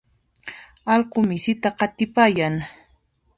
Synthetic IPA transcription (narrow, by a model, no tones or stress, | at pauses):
ɑlqʊmɪsɪt̪aqɑt̪ɪpaːjaŋ